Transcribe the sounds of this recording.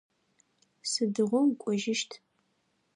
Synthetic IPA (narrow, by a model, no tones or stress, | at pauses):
sɨdɨʁʷʊmkʷʼɔʒɪʃtʰ